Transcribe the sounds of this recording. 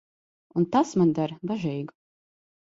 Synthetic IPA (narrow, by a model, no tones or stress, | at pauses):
unt̪asmand̪aɾbaʒɛjɡu